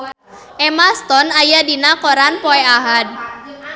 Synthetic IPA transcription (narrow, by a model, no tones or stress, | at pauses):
ʔɛmast̪ɔnajadinakɔɾanpɔɛaɦad̪̚